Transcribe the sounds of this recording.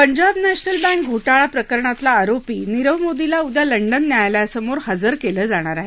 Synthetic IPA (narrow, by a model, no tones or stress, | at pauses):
pəɲd͡ʑabnæɕnəlbæ̃ŋk̚ɡʱoʈaɭapɾəkəɾɳat̪laːɾopiːniɾəʋmod̪ilaud̪jaləɳɖənːjajljasəmoɾhəd͡zəɾkeləːd͡zaɽ̃aɾaɦe